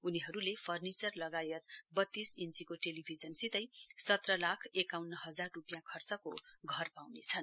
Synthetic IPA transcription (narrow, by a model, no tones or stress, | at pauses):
uniɦʌɾulepʰʌrnit͡sʌrlʌɡajʌt̪̚bʌt̪ːisint͡sikoʈelibʱid͡zʌnsit̪ʌjsʌt̪rʌlakʰekawnːʌɦʌd͡zarːupjãkʰʌrt͡sʌko̰ɡʱʌrpawnḛt͡sʰʌn